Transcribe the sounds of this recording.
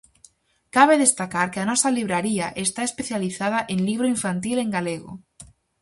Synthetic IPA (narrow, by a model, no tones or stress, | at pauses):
kaβeðest̪akaɾkeanɔsaliβ̞ɾaɾiaʔest̪aespeθjaliθað̞aʔẽnliβ̞ɾoiɱfant̪ilẽŋɡaleɣo̰